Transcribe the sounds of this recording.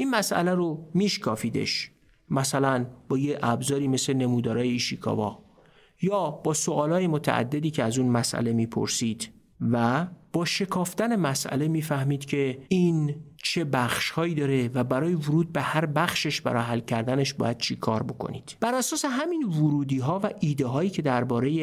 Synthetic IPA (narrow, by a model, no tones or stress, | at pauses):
ʔiːnmæsʔæ̰læɾomiːʃkʰɒːfiːd̪e̞̰ʃ | mæsælænb̥ɒːjeʔæbzɒːɾiːme̞slene̞mud̪ɒːɾɒːjeiʃikʰɒ̰vɒ̰ː | jɒːb̥ɒːsoʔɒːlɒːjemot̪ʰæ̰ʔæ̰d̪ːe̞d̪iːcʰeæzuːnmæsʔæ̰le̞miːpʰo̰ɾsiːd̪̥ | væb̥ɒːʃe̞kʰɒːft̪æne̞mæsʔæ̰le̞miːfæhmiːd̪̥cʰe̞iːnt͡ʃʰe̞bæxʃhɒːiːd̪ɒːɾe̞væbæɾɒːje̞voɾuːd̪̚behæɾbæxʃe̞ʃbæ̰ɾɒ̰ɦælːcʰæɾd̪æneʃbɒ̰ːjæd̪̥̚t͡ʃʰikʰɒːɾbo̞kʰo̰nḭːd̪̥b̥æɾæsɒːse̞ɦæmiːnvoɾuːd̪iːɦɒːvæʔiːd̪eɦɒːiːcʰe̞d̪æɾbɒːɾe̞je